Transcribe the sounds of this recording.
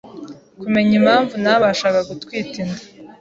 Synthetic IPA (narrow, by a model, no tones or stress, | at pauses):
kume̞ɲim̤aːɱvunaβaʃaːkaɡutwiːtindḁ